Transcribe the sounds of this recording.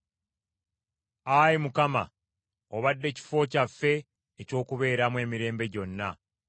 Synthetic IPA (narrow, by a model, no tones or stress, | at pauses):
ajimukama̰ | oβadːe̞ci̥fo̞ːcafːe̞ː | co̞ːkuβe̞ːɾamwe̞ːmiɾe̞ːmbe̞ɟo̞nːa